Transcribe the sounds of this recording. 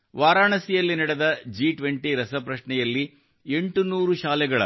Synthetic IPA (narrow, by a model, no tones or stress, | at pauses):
ʋaːɾaːɳɐsijɐlːinɐɽɛd̪ɐd͡ʒiʈʋeɳʈiɾɐsɐpɾɐʃɳɛjɐlːi | e̞ɳʈunuːɾuʃaːlɛɡɐɭɐ̰